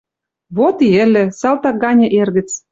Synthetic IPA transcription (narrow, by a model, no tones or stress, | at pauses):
βot̪iĕlʲɘ̆sɑlt̪ɑk̚ɡɑnʲɤ̆ʔerɣɘ̆t͡s